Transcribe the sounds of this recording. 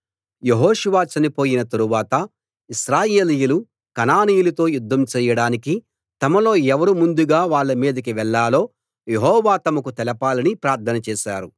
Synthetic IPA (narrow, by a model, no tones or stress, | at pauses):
je̞ɦoːʃuʋaːt͡ʃɐnipo̞ːjinɐt̪ɐɾuʋaːt̪ɐ | iʃɾaːje̞ːlijulu | kɐnaːniːjulɐt̪o̞ːjud̪ʱːɐmt͡ʃɛːjɐɽaːniki | t̪ɐmɐlo̞ːɛʋɐɾumund̪uɡaːʋaːɭːɐmiːd̪ɐkiʋɛɭːaːlo̞ː | jeɦɔːʋaːt̪ɐmɐkut̪ɛlɐpaːlɐnipɾaːɾt̪ʰɐnɐt͡ʃɛːʃaːɾu